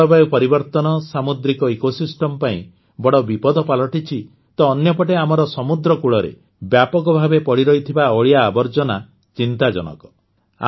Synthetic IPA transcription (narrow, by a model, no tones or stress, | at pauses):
ɔbajpɔɾibɔɾt̪ɔnɔsamud̪ɾikɔekosisʈɔmpaḭ̃ | bɔɽɔbipɔd̪ʱɔpalɔʈit͡ʃʰi | t̪ɔːnjɔpɔʈeamɔɾɔsɔmud̪ɾɔkuɭɔɾḛ | bjapɔkɔbʱabepɔɽiɾɔɦit̪ʰibaɔɭijaːbɔɾd͡ʒɔna | t͡ʃint̪ad͡ʒɔ̰nɔ̰kɔ̥ | a̰